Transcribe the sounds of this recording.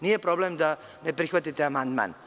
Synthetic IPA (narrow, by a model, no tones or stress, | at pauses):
niːjepɾo̞blemd̪a | ne̞pɾixʋat̪it̪eamand̪ma̰ːn